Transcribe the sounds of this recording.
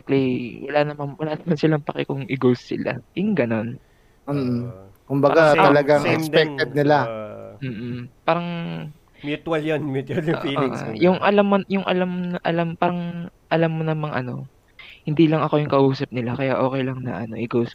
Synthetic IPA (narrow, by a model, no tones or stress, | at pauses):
ɛk̚liwɐ̰lanɐmɐnwɐlaːnɐmansɪlaŋpɐkɛ̰kʊŋʔɪɡowsːɪla̰jʊŋɡɐno̞n | m̩ː | kʊmbɐɡat̪ɐlɐɡaŋɛksɛk̚t̪ɛd̪̚nɪlam̩ːʔ̩paːɾɐŋ | mt̪waljonmɪt̪ɐl̰ː | jʊŋʔɐlamːojʊŋʔɐ̰lamːnɐʔɐlampaːɾɐŋ | ʔɐlamːonɐmɐŋʔɐ̰no̞̰ | hɪnd̪iːlɐŋɐkojʊŋkɐʔuːsɐp̚nɪlakɐjaʔo̞ːkɛjlɐŋnɐ̰ʔɐno̞̰ʔɪɡows